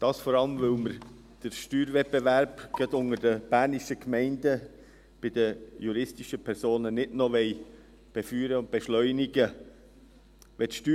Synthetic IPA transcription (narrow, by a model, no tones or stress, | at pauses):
d̥ɑːsfɔɾɑləmvɵlməɾ | d̥əɾʃtyːɾvɛt̚bevæɾbɡ̥ɛtʊŋəɾdəb̥æːɾniʃəkmɛɪndə | b̥ɪdəjuɾɪstiʃəpʰɛɾsoːnənɪdnɔʋɛɪ | b̥ɛfyːɾəʊnt̚b̥ɛʃlœʏniɡə | ʋɛtʃty